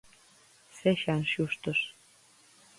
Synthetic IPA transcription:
seʃɑnʃuʃt̪ɤ̆ʃ

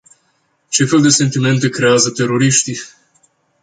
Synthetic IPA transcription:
t͡ʃe̞fe̞ld̪e̞se̞nt̪ime̞nt̪e̞kɾe̞azət̪e̞ɾo̞ɾiʃt̪i

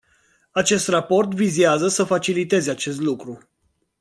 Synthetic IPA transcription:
at͡ʃe̞st̪rapo̞rt̪viziazəsəfat͡ʃilit̪e̞zat͡ʃe̞st̪lukɾu

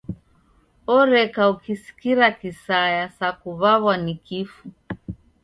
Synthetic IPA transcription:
ɔɾɛkaukisi̥kiɾakisajasakuβaβwanikifu

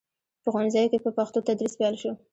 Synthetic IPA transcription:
pəɣɑnɪzɑjokepəpaxt̪ot̪ad̪ɾispjɑlʃo

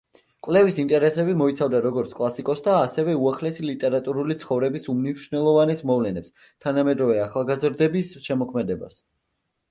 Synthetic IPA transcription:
kʼwvlɛvisint̪ʼɛɾɛsɛbimɔit̪sʰavd̪aɾɔɡɔɾt̪sʰkʼlˠasikʼɔsd̪aːsɛvɛuaχlɛsilit̪ʼɛɾat̪ʼuɾulit̪sʰχɔvɾɛbisumniʃnɛlˠɔvanɛsmɔvlɛnɛps | t̪ʰanamɛd̪ɾɔvɛaχalˠɡazɾd̪ɛbisʃɛmɔkʰmɛd̪ɛba̰s

